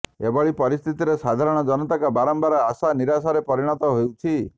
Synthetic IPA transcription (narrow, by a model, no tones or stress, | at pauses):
ebɔɭipɔɾist̪ʰit̪iɾesad̪ʱaɾɔɽ̃ɔd͡ʒɔnɔt̪akabaɾɔmbaɾɔasaniɾasaɾepɔɾiɽ̃ɔt̪ɔɦojut͡ʃʰi